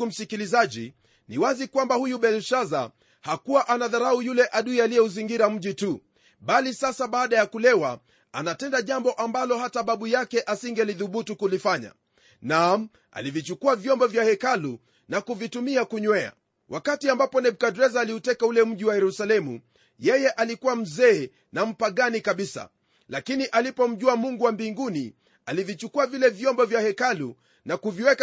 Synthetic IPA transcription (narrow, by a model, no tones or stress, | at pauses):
um̩sikilizaʄḭ | niwazikwambahujuɓɛlʃaza̰ | hakuwaʔanaðaɾaujulɛʔaɗuialijɛuziŋɡiɾam̩ʄitu | ɓalisasaɓaːɗajakulɛwa | anatɛndaʄambɔʔambalɔhataɓaɓujakɛʔasiŋɡɛliðuɓutukulifaɲa̰ | nam̩ | a̰livit͡ʃukuavjɔmbɔvjahɛkalu | nakuvitumiakuɲwɛa̰ | wʔakatiambapɔnɛɓ̚kadɾɛzaːliutɛkaulɛm̩ʄiwajɛɾusalɛmu | jɛjɛʔalikuwam̩zɛː | nam̩paɠanikaɓisa̰ | lakiniʔalipɔm̩ʄuamuŋɡuwambiŋɡuni | alivit͡ʃukuavilɛvjɔmbɔvjahɛkalu | nakuviwɛk